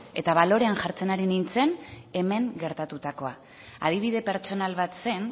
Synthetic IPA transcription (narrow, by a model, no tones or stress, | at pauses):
e̞̰t̪aβalo̞ɾe̞anʝaɾt͡se̞naɾinint͡se̞ne̞me̞ŋɡe̞ɾt̪at̪ut̪ako̞a | aðiβ̞iðe̞pe̞ɾt͡ʃo̞nalβat̪se̞n